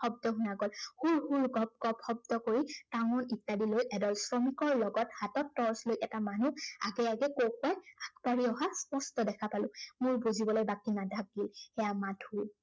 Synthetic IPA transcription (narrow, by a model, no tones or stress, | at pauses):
xɔb̚dɔɦunaɡɔlhulhulɡɔp̚ɡɔpxɔb̚dɔkoɹitaŋɔnitːadilojɛdɔlsɹɔmikɔɹlɔɡɔthatɔtːɔɹslojʔɛtamanua̰ɡɛaɡɛkokajakʰbaɹiɔɦaspɔstɔdɛkʰapalʊ̃mʊɹbuzibɔlojbakinadʱak̚ɡilɛjamatʰul